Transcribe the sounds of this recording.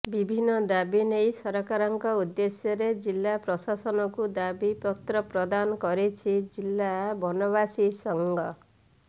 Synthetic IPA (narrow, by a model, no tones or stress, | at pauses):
bibʱinːɔd̪abinejsɔɾɔkaɾɔŋkɔud̪ːesjɔɾed͡ʒilːapɾɔsasɔnɔkud̪abipɔt̪ɾɔpɾɔd̪anɔkɔɾit͡ʃʰid͡ʒilːabʱɔnɔbasisɔŋɡɔ